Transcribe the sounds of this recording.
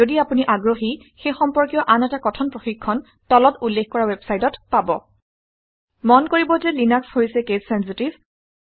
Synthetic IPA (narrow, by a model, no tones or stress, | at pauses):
odiapuniʔaɡɹoxi | xejxɔmpɔɹkijɔʔanɛtakɔtʰɔnpɹoxikʰːɔn | tɔlɔtulːekkɔɹawɛbsajtɔtpabɔ | mɔnkoɹibɔzɛlinakshojsɛkezsɛnsitib